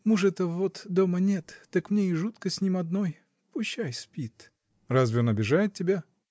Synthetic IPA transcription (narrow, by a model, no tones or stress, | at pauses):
muʐɛt̪əvot̪d̪omənʲet̪ːakmnʲeɪʐut̪kəsʲnʲimɐd̪no̞j | pʊɕːajspʲit̪ | razvʲɪonɐbʲɪʐajɪt̪̚tʲːɪbʲa